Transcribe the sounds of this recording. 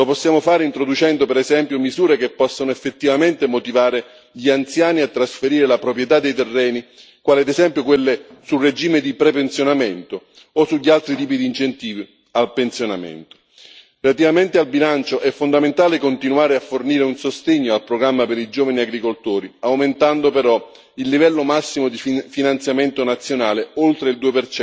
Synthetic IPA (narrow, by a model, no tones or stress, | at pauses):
loposːjaːmofaːɾeint̪ɾod̪ut͡ʃɛnd̪opeɾɛzɛmpjomizuːɾekepːɔsːonoefːet̪ːivament̪emot̪ivaːɾe | ʎiant̪sjaːniat̪ːɾasfeɾiːɾelapɾopɾjet̪ad̪ːejt̪erːɛːni | kwaːliad̪ezɛmpjokwelːesulred͡ʒiːmed̪ipɾɛpentsjonament̪oː | suʎːialt̪ɾit̪iːpid̪iːnt͡ʃent̪iːvi | alpensjonamḛnt̪o̥ | relat̪ivament̪ealbilant͡ʃoʔɛfːond̪ament̪aːlekont̪inuaːɾeafːorniːɾeunsost̪eɲːoalpɾoɡɾamːapeɾid͡ʒoːvaniaɡɾikolt̪oːɾiawment̪and̪opeɾɔ | ilːivɛlːomasːimod̪iffinant̪sjament̪onat̪sːjonaːleolt̪ɾeild̪uːepert͡ʃɛ